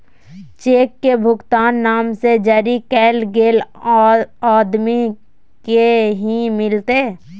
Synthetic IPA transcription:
t͡ʃeːkːebʱʊɡt̪aːnːaːmsed͡ʒəɾikɛːlɡeːl | aːd̪mi | keɦimɪlt̪eː

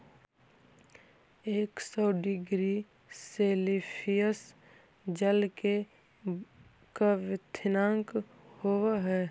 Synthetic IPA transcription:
eːksɔːɖɪɡɾi | seːlipʰijəs | d͡ʒəlke | kaʋɪt̪ʰɪnãːŋk | howaɦɛː

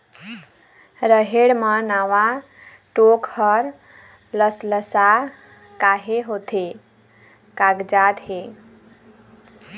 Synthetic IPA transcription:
ɾəɦeɽmənawa | ʈokhəɾ | ləsləsa | kaɦeɦot̪ʰe | kaɡd͡ʒad̪ɦe

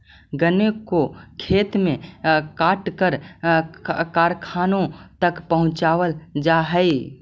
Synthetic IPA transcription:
ɡənekokʰeːt̪mẽkaːʈkəɾ | kaːɾkʰaːnõt̪əkpəɦʊ̃t͡ʃaːʋəld͡ʒaɦəi

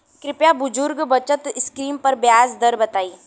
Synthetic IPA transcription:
kɾɪpjabʊd͡ʒʊɾɡbɐt͡ʃət̪skɾiːmpɐɾbjaːsd̪əɾbɐt̪aːiː

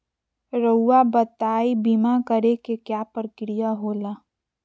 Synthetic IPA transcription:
ɾəʊːabət̪aːibimakəɾekekjaːpɾəkɾijaɦoːlaː

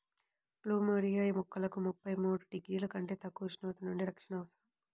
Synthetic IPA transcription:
pluːmoɾijaːjimukːɐlɐkumupːɐjmuːɽuɖiɡɾiːlɐkɐɳʈe̞ːt̪ɐkːuːʃnɐʋɐt̪ɐnuɳɖiɾɐkʂɐnɐʋɐsɐɾɐm

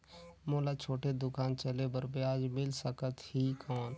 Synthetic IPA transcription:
moːlat͡ʃʰoːʈed̪ʊkaːnt͡ʃəlebəɾbeaːd͡ʒmɪlsəkət̪hikʰɔːn

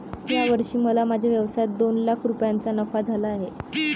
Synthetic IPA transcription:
tjaʋəɾʂiːməlamad͡ʑʱjaʋjəʋsajat̪̚d̪onlakʰɾupjant͡sanəfad͡zʱalaːɦe

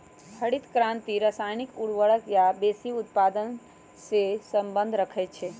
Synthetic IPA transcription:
hʰəɽit̪kɾãnt̪iɾəsajnikuɽʋəɭəkjabesiut̪pad̪ən | sesəmbə̃nd̪ʱɾəkʰɛt̪̚t͡ʃʰe

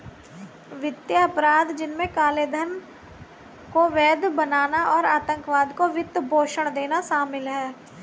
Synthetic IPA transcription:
ʋɪt̪jaɐpɾaːd̪d͡ʒɪnmẽkaːleːd̪ʱən | koʋɛːd̪bənaːnaʔɔːɾaːt̪ə̃ŋkʋaːd̪koʋɪt̪ːbʱoːʃəɽ̃d̪eːnaʃaːmɪlɦɛː

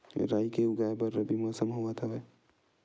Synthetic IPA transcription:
ɾajkeʊɡaebəɾəbʱimɔːsəmɦoʋət̪ʰɦəbe

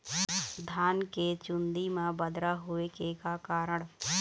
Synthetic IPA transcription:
d̪ʱaːnket͡ʃʊ̃nd̪imẽbəd̪ɾaɦʊekekakaːɾəɽ̃

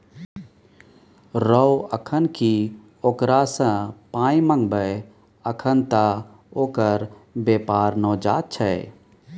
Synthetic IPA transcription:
ɾəəkʰənki | oːkɾasə̃pãːĩmə̃ŋɡbəj | əkʰənt̪a | oːkəɾbepaːɾnɔːd͡ʒa̰ːt̪̚t͡ʃʰə

